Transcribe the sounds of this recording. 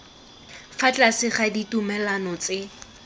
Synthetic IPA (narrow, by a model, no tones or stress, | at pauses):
fat͡ɬʼasɪχaditumɛlanɔt͡sɪ